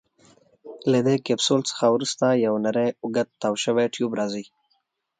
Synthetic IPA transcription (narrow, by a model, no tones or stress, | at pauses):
lad̪ekepsolt͡sə̥xawɾust̪ajawnaɾajʊɡat̪̚t̪ːawʃəweʈjubɾɑzi